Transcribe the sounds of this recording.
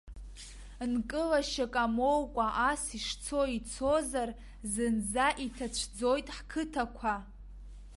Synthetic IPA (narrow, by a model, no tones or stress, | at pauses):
nkʼɨlaʃakʼamowkʷʼaʔasiʂt͡sʰo̞it͡sʰozar | zɨnzaʔitʰat͡ɕʷʰd͡zo̞jtʼħkʰɨtʰakʷʰa